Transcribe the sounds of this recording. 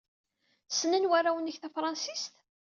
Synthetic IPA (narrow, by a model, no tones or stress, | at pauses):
sənənwærawənːəçθæfɾˤɑnsist̪